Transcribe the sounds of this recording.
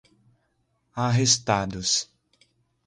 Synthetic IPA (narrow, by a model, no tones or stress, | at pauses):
aɦest̪ad̪ʊs